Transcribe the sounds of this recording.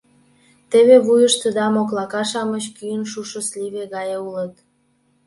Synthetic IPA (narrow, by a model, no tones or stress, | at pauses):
t̪eβeβujəʃt̪əd̪ɑmoklɑkɑʃɑmət͡ɕkyjənʃuʃəsliβeɣɑjeulə̆t̪̚